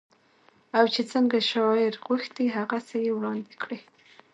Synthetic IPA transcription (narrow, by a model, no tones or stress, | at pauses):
awt͡ʃet͡səŋɡaʃɑɪɾɣuxt̪iɦaɣasajewɽɑnd̪ɪkɽi